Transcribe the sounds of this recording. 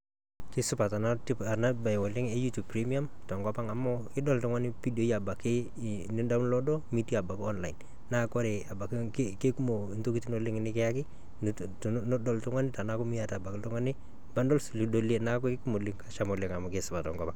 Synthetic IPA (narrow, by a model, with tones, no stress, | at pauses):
kɪ˦sʊ˦pa˨ta˨na˦ti˦pa˨na˦ba˨jwɔ˨lɪ˦ŋɛ˦ju˦tu˨b̚pɾi˦mi˦a˦mtɔ˨ŋɡɔ˦pa˦ŋa˨mɔ˦kɪ˦dɔ˦ltʊ˦ŋa˦nɪ˦pi˦do˦i˦a˨ba˨kɪ˦ | nɪ˦nda˦mlɔ˦dɔ˦mi˦di˦a˨ba˨kɔ˦nla˨ɪ˨n | na˦kɔ˦ɾe˨a˨ba˨kkke˦ku˦mo˨nto˦ki˦ti˦no˦lɪ˦ŋɪ˦nɪ˦kɛ˦ja˦kɪ˦ | nɔ˦dɔ˨ltʊ˦ŋa˦nɪ˦ta˨na˦kʊ˦mi˦ja˨ta˨ba˨kɪ˦ltʊ˦ŋa˦nɪ˦ | ba˦ndɔ˦lsu˨li˦do˦le˦na˦k̬ɔ˦kɪ˦ku˦mo˨li˦ŋka˦ʃa˨mɔ˨lɪ˦ŋa˨mɔ˨ke˦sʊ˨pa˨tɔ˨ŋɡɔ˦pa˦ŋ